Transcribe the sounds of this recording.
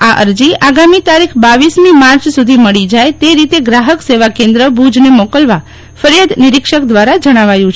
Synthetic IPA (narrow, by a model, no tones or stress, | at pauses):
aʔə̰ɾd͡ʒiʔaɡamit̪aɾikʰbaʋismimaɾt͡ʃsud̪ʱiməɭid͡ʒajt̪eɾit̪eɡɾaɦəkseʋakẽnd̪ɾəbud͡ʒnemokəlʋa | fəɾjad̪ʱnɪɾɪkʃək̚d̪ʋaɾad͡ʒəɽ̃aʋajũt͡ʃʰ